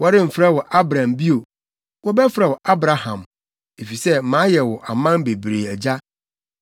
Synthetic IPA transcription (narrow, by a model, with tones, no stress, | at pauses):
wɔ˦ɾɪ̃˦m̩˨fɾɛ˦wɔ˨ʔa˦bɾã˨mbi˦o˨ | wɔ˦bɛ˦fɾɛ˨wɔ˨ʔa˦bɾa˨hã˨m | e˨fi˨sɛ˦mã˨˦jɛ˨wɔ˨ʔa˨mã˦mbe˨bɾe˨æ˨d͡ʑa˦